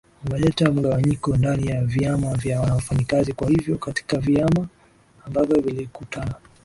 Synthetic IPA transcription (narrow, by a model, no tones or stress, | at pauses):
umɛlɛtam̩ɠawaɲikɔndanijaviamavjawanawafaɲikazikwahivjɔkati̥kaviamaː | mbavjɔvilikutʰana